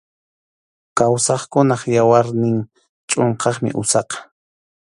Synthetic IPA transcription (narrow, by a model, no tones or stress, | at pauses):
kawsɑχkʊnɑχjawaɾnɪŋ | t͡ʃʼoɴqɑχmɪ̰ʔʊsɑqɑ̥